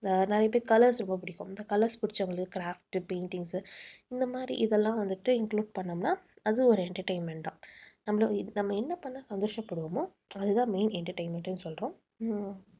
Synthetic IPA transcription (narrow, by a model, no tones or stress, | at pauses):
nɛɾɐjɐpɐːkɐlɐɾsɾʊmbɐp̬ʊɽɪkːʊ̃mɪnd̪ɐkɐlɐɾspʊɽɪt͡ʃːɐʋɐŋɡɐɭɯkːɯkɪɾaːfʈpeɪnʈɪŋɡsɪnd̪ɐmaːd̪ɾḭʔɪðɛlːãːʋɐnd̪ɯʈːɯɪŋkluːɖ̚pɐɳːɐmnaːɐðɯɔɾɯɛɳʈɐɾʈɐɪnmɛɳʈɖ̪ãːnɐmːɐlonɐmːɐɪnːɐpɐɳːɐ̃sɐnd̪oːʂɐpːɐɽɯʋɐmʊ̃ | ɐðɯt̪ãːmeɪnɛɳʈɐɾʈɐɪnmɛɳʈːɐnːɯsɔlɾõː